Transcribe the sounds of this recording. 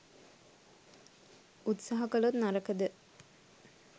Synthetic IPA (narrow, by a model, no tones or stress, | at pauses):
ut̪saɦɐkəlt̪naɾəkəd̪ə